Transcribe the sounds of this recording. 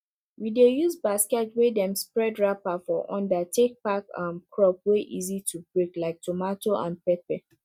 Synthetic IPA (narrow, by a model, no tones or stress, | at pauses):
widejuzbaskɛtwedɛ̃mspɹɛdɹapafɔʔɔ̰̃ndatʰek̚pakãnkʰɹɔp̚weʔizitʰubɹeklaɪk̚tʰomatoʔã̰npɛpɛ